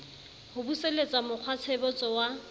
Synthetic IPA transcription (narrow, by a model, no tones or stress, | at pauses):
hʊbuselet͡sʼamʊq͡χʰwat͡sʰebɔt͡sʼɔwa